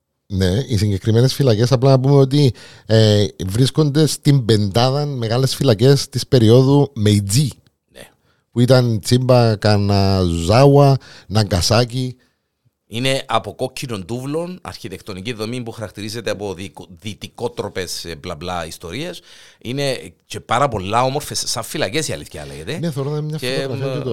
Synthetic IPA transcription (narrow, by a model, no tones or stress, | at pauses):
ne̞isiɲɟe̞kɾime̞ne̞sfilɐce̞sɐplɐnɐpume̞o̞t̪̬i | vɾisko̞nd̪e̞st̪imbe̞nd̪ɐðɐnme̞ɣɐle̞sfilɐce̞st̪ispe̞ɾio̞ðume̞id͡zi | e | puit̪ɐnt͡simbɐkɐnɐuzawɐnɐŋɡɐsaci | ine̞ʔɐpo̞ko̞cʰːino̞nd̪uvlo̞nɐ̰ɾçit̪ekt̪o̞niciððo̞mimpuxɐɾɐk̚t̪iɾize̞t̪eɐpo̞ðiðit̪iko̞t̪ɾo̞pe̞sblablɐist̪o̞ɾiesine̞ce̞paɾɐpo̞lːɐo̞mo̞ɾfessɐɱfilɐcesiɐ̰liθçɐ̰leɣet̪eneθeoɾoðɐmɲɐfioɣɾɐiɐut̪o